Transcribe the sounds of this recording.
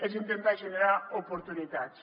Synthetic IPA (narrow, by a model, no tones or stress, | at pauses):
esint̪ent̪ajʒeneɾaopoɾt̪unit̪at͡s